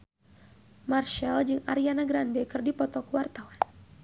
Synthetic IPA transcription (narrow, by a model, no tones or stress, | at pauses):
marʃald͡ʒɨŋa̰ɾianaɡɾandɛkɨrdipɔt̪ɔkuwart̪awan